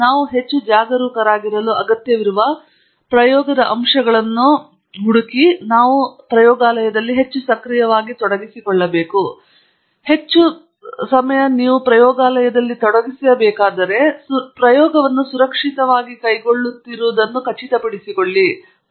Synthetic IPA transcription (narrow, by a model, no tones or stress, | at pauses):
naːʋuɦe̞t͡ʃːud͡ʒaːɡɐɾuːkɐɾaːɡiɾɐluɐɡɐt̪jɐʋiɾuʋɐ | pɾɐjɔːɡɐd̪ɐʔɐmʂɐɡɐɭɐnːu | ɦuɽukinaːʋupɾɐjɔːɡaːlɐjɐd̪ɐlːiɦe̞t͡ʃːusɐkɾijɐʋaːɡit̪ɔɽɐɡisikɔɭːɐbeːku | he̞t͡ʃːu | sɐmɐjɐniːʋupɾɐjɔːɡaːlɐjɐd̪ɐlːit̪ɔɽɐɡisijɐbɛːkaːd̪ɐɾe̞spɾɐjɔːɡɐʋɐnːusuɾɐkʂit̪ɐʋaːɡikɐjɡo̞ɭːut̪ːiɾuːd̪ɐnːukɐt͡ʃit̪ɐpɐɽisikoɭːi